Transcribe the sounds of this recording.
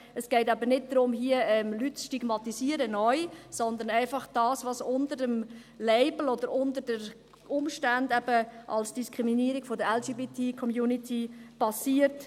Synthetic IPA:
əsɡ̥ɛɪtæbənɪt̚dɾʊmɦiəɛmlytsʃtiɡmɑt̪isiəɾənɔʏsɔnd̪ənɛɪfɑχd̥ɑːsʋɑsʊndəɾəm | lɛɪbl̩ɔd̥̪əɾʊndəɾdəɾ | ʔʊmʃtændɛb̥əʔɑ̰lsd̥iskʁiminiəɾiɡ̥fɔdəɾɛld͡ʒiːbitikʰɔmjuːnitʰipʰɑsiːəɾt

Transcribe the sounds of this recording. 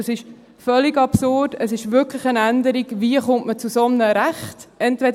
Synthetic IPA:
əsɪʃ | fœliɡɑpsʊrdəsɪʃvʏɾkʰləχənænd̪əɾiɡviəχʊmtmət͡susɔmnəɾæχtɛntvɛd

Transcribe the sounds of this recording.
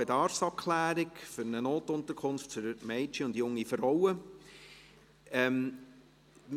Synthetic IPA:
ɛdɑɾfsɑp̚kʰlæːɾɪkfʏɾnənoːtʊntəkʰʊnftfʏɾmɛɪt͡ʃəʊndjʊŋːifrɔwə | ɛm | m

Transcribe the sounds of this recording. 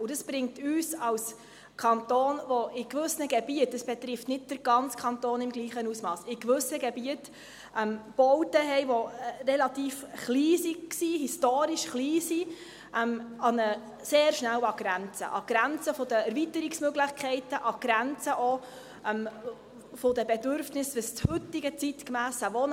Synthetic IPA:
ʊd̥əsb̥ɾɪŋ̚tyːsɑws | kʰɑntoːnʋɔɪkʋɵsnəɡɛbiətdəsb̥ɛt̪ɾɪftnɪt̚d̥əɾɡ̥ɑnt͡skʰɑntoːnɪmɡliːχənusmɑːsɪkʋɵsəɡɛbiət | ɛmb̥ɔwtəɦɛjʋɔrɛlɑt̪iːfχliːsiksiɦistoːɾiʃχliːsi | ʔɛmɑnə | seːɾʃnæwɑɡ̥ɾænt͡sə̰ʔɑɡ̥ɾænt͡səfod̪əɛɾvit̪əɾiksmøɡlɪχkʰɛɪtəʔɑɡ̥ɾænt͡səʔɔ | ɛm | fɔd̥̪əbɛdʏɾfnɪsʋəst͡shɵt̪ːɪɡət͡sitkmæːsəʋɔn

